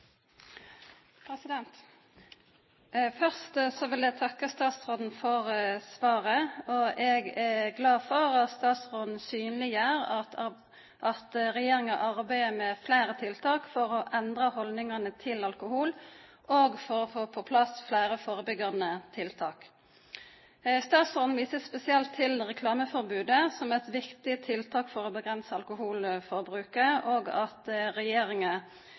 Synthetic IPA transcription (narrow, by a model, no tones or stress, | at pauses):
pʰɾɛsɪd̪ɛnt̪ | fœʁst̪sɔʋɪlɛɡt̪ʰɑkːəst̪ɑːt̪sʁoːd̪n̩fɔʁsʋɑːʁəɔɛɡɛɡlɑːfɔʁɑt̪st̪ɑːt̪sʁoːd̪n̩syːnlɪjæːʁ | ʔɑt̪ʁɛjeːɾɪŋɑʔɑʁbæɪəmɛflæːɾət̪ʰɪlt̪ʰɑːkfɔɾɔʔɛnd̪ʁɑhɔld̪nɪŋɑnət̪ʰɪlɑlkʊhuːl | ʔoːɡfɔɾfoːpʰɔpʰlɑsflæːɾəfoːɾəbʏɡɑnət̪ʰɪlt̪ʰɑːk | st̪ɑːt̪sfɔʁnʋiːsəspɛsɪɛlt̪ʰːɪlʁɛkʰlɑːməfɔʁbʉːd̪əsɔmɛt̪ʋɪkt̪ɪt̪ʰɪlt̪ʰɑːkfɔɾɔːbəɡʁɛnsəɑlkʊhuːlfɔʁbɾʉːkəəʔoːɡɑt̪ɾɛjeːɾɪŋɑ